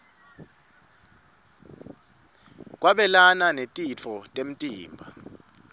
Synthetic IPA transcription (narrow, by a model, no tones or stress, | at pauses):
k̬ʼwaɓɛlananetʼit͡fʰɔtʼem̩tʼiːmbʱa̰